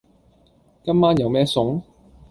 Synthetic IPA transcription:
kɐ˥mmaː˥njɐ˨˧wmɛː˥sʊ˨˥ŋ

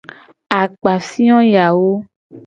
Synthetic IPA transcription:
a˨k͡pa˨fĩ˦ɔ̃˦ja˨wo˦

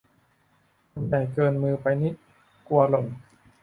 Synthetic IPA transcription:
pa˧nt̪ɛː˨˩kɤː˧nmɯː˧pa˧jni˦˥ | ku˧ɐlo˨˩˦m

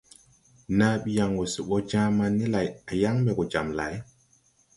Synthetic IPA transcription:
naː˦ɓi˦ja˨ŋɡo˨su˨ɓɔ˦d͡ʒãː˦ma˦nːi˦la˨ja˨ja˦ŋbɛ˨kɔ˨d͡ʒa̰˨mla̰˨j

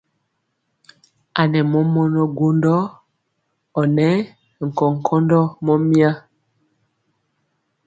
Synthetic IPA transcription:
a˨nɛ˨mɔ˦mɔ˦nɔ˦ɡo˦ndɔ˦ | ɔ˨nɛ˦˨ | ŋ̩˨kɔ˨ŋ̩˨kʰɔ˦ndɔ˦mɔ˦mja˦

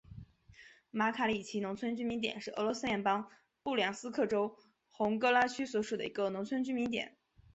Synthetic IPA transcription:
ma˧˥kʰa˧˥li˨˩t͡ɕʰi˧˥nʊ˧˥ŋt͡sʰwə˥nt͡ɕy˥mi˧˥nt̪jɛ̰˨˩nʂɻ̩˥˩ɤ̰˧˥lwɔ˧˥sɹ̩˥jɛ˧˥npɑ˥ŋ | pu˥˩ljɑ˨˩ŋsɹ̩˥kʰɤ˥˩ʈ͡ʂo˥ʊ | xʊ˧˥ŋkɤ˥la˥t͡ɕʰy˥swɔ˧˥ʂu˨˩d̪ə̰˩i˧˥ɡə˧nʊ˧˥ŋt͡sʰwə˥nt͡ɕy˥mi˧˥nt̪jɛ̰˨˩˦n

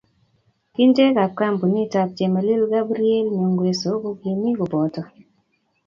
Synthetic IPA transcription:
ki˦nte˦ka˨ka˦˨mbu˨ni˦ta˨p̚d͡ʒe˨ma˨li˦lɡa˦bɾi˦e˦lme˨ŋɡwe˨so˨˦ɡo˦ɡi˨ni˦kɔ˨bɔ˨tɔ˨

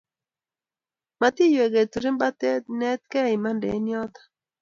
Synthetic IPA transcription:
ma˨t̪i˦jo˨e˨ɡe˨t̪u˨ɾi˦mba˦t̪ɛ˦t̪nɛ˦t̪̚kɛ˦˨ɪ˨ma˦ndɛ̰˨˦njɔ˦t̪ḁ˨

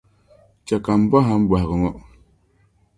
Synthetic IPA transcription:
t͡ʃa˨ka˨m˨˦ba˦ɦa˨˦m˦bwa˨ɣə˨ŋɔ˦ʔ

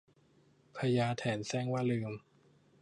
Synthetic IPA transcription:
pʰa˧jaː˧t̪ʰɛː˩˦nsɛː˥˩ŋwaː˥˩lɯː˧m

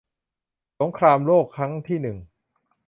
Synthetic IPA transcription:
so˩˦ŋkʰɾaː˧mloː˥˩kʰɾa˦˥ŋt̪ʰiː˥˩nɯ˨˩ŋ

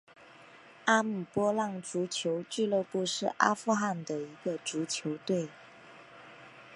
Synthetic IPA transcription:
a˥m̩˨˩pwɔ˥lɑ˥˩ŋʈ͡ʂu˧˥t͡ɕʰjo˧˥ʊt͡ɕy˥˧lɤ˥˧pu˥˧ʂɻ̩˥˩ʔa̰˥fu˥˧xa˥˩nd̪ə˩i˧˥ɡə˧ʈ͡ʂu˧˥t͡ɕʰjo˧˥ʊt̪we˥˩ɪ

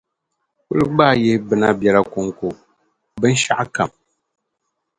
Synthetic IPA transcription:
ku˦ɾɨ˦ɡ͡ba˦˨je˦bɨ˨na˦bja˨la˦ko˨ŋko˨ | bɨ˦n̩˦ʃa˦ʔa˦ka˨m

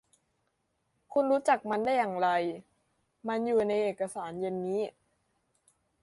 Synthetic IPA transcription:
kʰu˧nɾuː˦˥t͡ɕa˨˩k̚ma˧ndaː˥˩jːaː˨˩ŋɾa˧j | ma˧njuː˨˩na˧jʔeː˨˩t̚kːa˧saː˩˦nje˧nːiː˦˥

